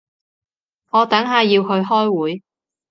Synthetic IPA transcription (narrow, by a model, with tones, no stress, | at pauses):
ŋɔː˨˧t̪ɐ˨˥ŋɦaː˨jiː˧wɦɵ˧ɥɦɔː˥jwuː˨˥j